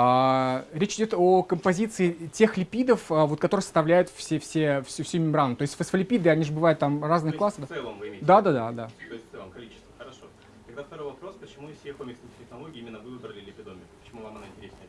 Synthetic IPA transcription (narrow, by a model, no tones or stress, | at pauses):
aɾʲet͡ɕɪdʲo̞t̪okəmpɐzʲit̪sɨɪtʲe̞xlʲɪpʲid̪əfəvot̪kɐt̪o̞ɾɨjəsəst̪ɐvlʲæjʊt̪fsʲefsʲefsʲufsʲumʲɪmbɾant̪o̞ɪsʲt̪ʲfəsfəlʲɪpʲid̪ɨɐnʲiʐɨbɨvajʊt̪ːamraznɨəklˠasːəd̪ɛlˠəmvɨed̪ad̪ad̪ad̪at̪oɪsʲɨvamkɐlʲit͡ɕɪ̥st̪vəxəɾɐʂo | t̪ɐɡd̪aft̪ɐɾo̞jvɐpɾo̞spət͡ɕɪmufsʲexomʲɪkstʲɪxnɐlˠoɡʲɪːimʲɪnːəvɨvɨbɾəlʲɪlʲɪpʲɪd̪omʲɪpə̥t͡ɕɪmuvamɐnoɪnʲtʲɪɾʲesʲnʲɪə